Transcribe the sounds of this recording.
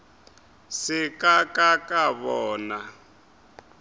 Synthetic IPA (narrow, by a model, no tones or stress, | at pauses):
sɪkʼakakʼaβɔːna